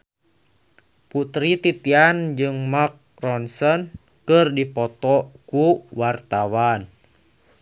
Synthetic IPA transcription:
put̪ɾit̪it̪iand͡ʒɨŋmak̚ | rɔnsɔn | kɨrdipɔt̪ɔkuwart̪awan

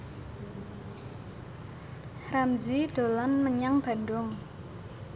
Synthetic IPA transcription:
ramziɖ̥o̤lɔnməɲaŋb̥a̤ndʊŋ

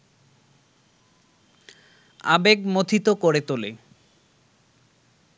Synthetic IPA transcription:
a̰beɡmot̪ʰit̪okoɾet̪ole

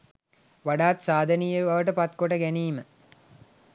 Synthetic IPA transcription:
ʋaɖaːt̪saːd̪ʱɐnijeʋɐʋəʈəpat̪koʈəɡæniːmə

